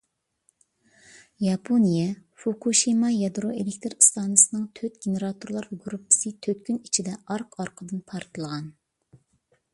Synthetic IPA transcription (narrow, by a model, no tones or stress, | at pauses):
jɑpʰonijɛfokuʃimɑjɑd̪ɾoʔelekʲt̪ʰɨɾst̪ɑːnɨsɨnɨŋt̪ʰøt̪ɡʲeneɾɑt̪ʰuɾlˠɑɾɡɾupʰːɨ̥sɨt̪ʰøt̪kʲynit͡ʃʰid̪ɛɑɾqʰɑɾqʰəd̪ɨnpʰɑɾt̪ʰɨlˠəʁɑn